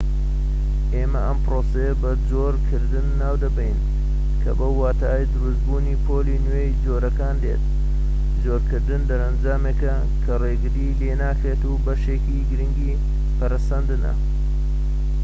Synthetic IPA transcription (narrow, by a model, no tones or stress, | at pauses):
ʔeːmɐʔɐmpɾoːsɐjɐbɐd͡zoɾkʰɨɾd̪ɨnːaːwd̪ɐbɐjn | kʰɐ̰bɐwːaːt̪ʰaːjd͡ʒɨɾɨzbuːniːpʰoːlinwejd͡ʒoːɾɐkaːnlḛːt̪̚ | zoːɾkɨɾd̪ɨnd̪ɐɾɐnd͡ʒaːmekɐ | kʰɐreɡɨɾilenaːkɾeːt̪ubɐʃeːkiɡɨɾɨŋɡi | pɐɾɐsɐnd̪ɨnɐ̰